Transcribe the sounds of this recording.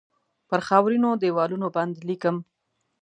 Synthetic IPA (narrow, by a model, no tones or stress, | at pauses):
pəɾxɑwɾinod̪ewɑlunoband̪likəm